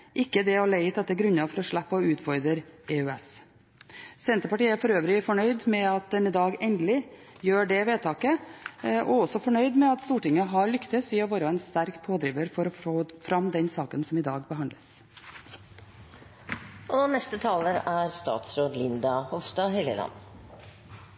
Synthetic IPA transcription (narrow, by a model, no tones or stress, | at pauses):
ʔɪkːəd̪ɛɔlæɪət̪ɛt̪ːəɡɾʉɲɑfɔɾɔʂɭæpːɔʉːt̪fɔɾd̪ɾəɾɛʉɛs | sɛnt̪əpɑʈiːəæfɔɾøːʋɾɪfɔɳœʏd̪mɛɑt̪̚d̪ɛnɪd̪ɑːɡɛnd̪əlɪ | jøːɖɛʋeːt̪ʰɑːkə | ʔɔɔsɔfɔɳœʏd̪mɛɑt̪st̪uːʈɪŋːəɦɑɭʏkt̪əsiːɑʋoːɾɑɛnst̪æɾkpʰoːd̪ɾiːʋəɾfɔɾɔfoːfɾɑmd̪ɛnsɑːkənsɔmɪd̪ɑːɡbəɦɑnd̪əs | ʔɔnɛst̪ət̪ʰɑːləɾæɾst̪ɑ̰ːt̪sɾoːd̪lɪnd̪ɑhɔʋst̪ɑːhɛljə̰lɑ̰n